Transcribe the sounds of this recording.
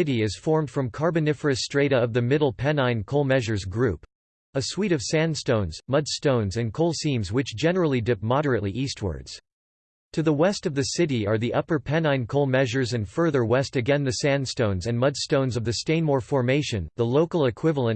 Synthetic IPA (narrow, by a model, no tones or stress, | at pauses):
ɪɾiɪz̥fɔɹmd̥fɹʌ̃mkʰɑɹbɨnɪfə˞ɨstɹ̥eɪɾɨʌvðɨmɪɾl̩ˠpʰɛ̃nãɪ̃nkʰoʊlˠmɛʒə˞zɡɹʉp | əswiɾʌv̥sæ̃nstõʊ̃nz̥mʌd̥stõʊ̃nzɨ̃nkʰoʊlˠsĩmzwɨt͡ʃd̥ʒ̥ɛnə˞l̩ˠidɪp̚mɑɾə˞ɨʔˡliʔist̚wə̰˞dz̥ | tʰɨðəwɛstʌvðɨsɪɾiə˞ðiʔʌpə˞pʰɛ̃nãɪ̃nkʰoʊlˠmɛʒə˞zɨ̃nfɜ˞ðə˞wɛstɨɡɛ̃nðɨsæ̃nstõʊ̃nzɨ̃nmʌd̥stõʊ̃nzʌvðɨstẽɪ̃nmɔɹfɔɹmeɪʃɨ̃nðəloʊkl̩ˠɨkʰw̥ɪvl̩ˠə̃n